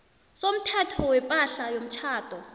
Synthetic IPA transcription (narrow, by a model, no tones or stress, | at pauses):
som̩tʰɛtʰɔwɛpʼaɬajom̩t͡ʃʰaːtʼɔ